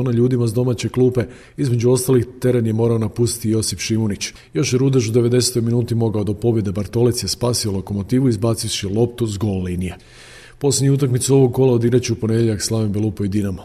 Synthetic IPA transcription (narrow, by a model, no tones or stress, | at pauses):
onaʎuːd̪imazd̪o̞mat͡ɕe̞klˠuːpe̞ | izme̞d͡ʒuo̞st̪alixt̪e̞ɾenje̞mo̞ːɾaonapust̪i̥t̪ijo̞sifʃimonit͡ɕ | jo̞ʃjeɾud̪aʒud̪e̞ʋe̞d̪e̞set̪o̞jminuːt̪imo̞ɡaod̪opo̞bje̞d̪ebaɾt̪o̞let̪sjespaːsio̞lo̞ko̞mo̞t̪iːʋuizbaːt̪siʋʃilˠo̞p̚t̪uzɡo̞llinije̞ | po̞slʲed̪ɲiut̪̬akmit̪suo̞ʋo̞ɡ̚ko̞lˠaod̪iɡɾat͡ɕiupo̞ned̪ʲeʎakslˠaʋimbelupoid̪inama